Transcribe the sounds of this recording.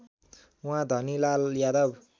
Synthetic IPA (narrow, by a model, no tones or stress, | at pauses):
ũɦãd̪ʱʌnilaljad̪ʌb